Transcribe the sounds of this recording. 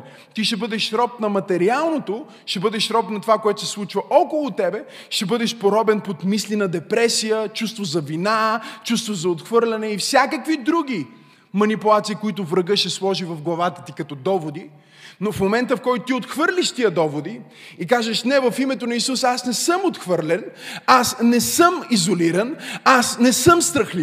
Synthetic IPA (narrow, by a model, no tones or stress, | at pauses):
t̪iʃɛbɤd̪ɛʃɾɔp̚nɐmɐt̪ɛɾialˠnot̪o | ʃɛbɤd̪ɛʃɾɔpnɐt̪ovakoɛt̪ʊ̥sɛ̥slˠut͡ʃvɐʔɔkolˠʊt̪ɛbɛ | ʃɛbɤd̪ɛʃpod̪ɔbɛnpot̪mislinɐd̪ɛpɾɛsijət͡ʃust̪vozɐvinat͡ʃust̪vozɐot̪xvɤɾlʲɐnɛifsʲjakəkvid̪ɾuɡ̟ʲi | mɐnipulˠat̪siːkoit̪ʊvɾɐɡɤʃɛslˠɔʒivɐvɡlˠɐvat̪ə̥t̪ikɐt̪ɔd̪ɔvod̪i | nofmomɛnt̪əfkɔjt̪ʊt̪iot̪xvɤɾlʲiʃt̪iəd̪ɔvod̪i | ikaʒəʃnɛvɐfimɛt̪onɐisusasnɛsɤmot̪xvɤɾlɛnasnɛsəmizoliɾɐnasnɛsəmst̪ɾəxli